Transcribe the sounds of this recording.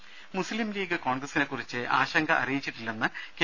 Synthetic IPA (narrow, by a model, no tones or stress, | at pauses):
muslimliːɡɨko̞ːɳɡrɐsine̞kːurit͡ɕːɨʔa̰ːɕɐŋɡɐʔɐ̰rijit͡ɕːiʈːilːenːɨke